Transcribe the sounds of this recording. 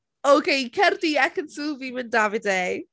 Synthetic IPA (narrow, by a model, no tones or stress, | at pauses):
owkʰejkʰɛrdiɛkənsuvimɪndavɪdej